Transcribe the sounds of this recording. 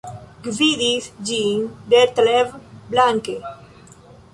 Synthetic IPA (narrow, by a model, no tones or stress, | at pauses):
ɡviðisd͡ʒiŋd̪et̪levblaŋke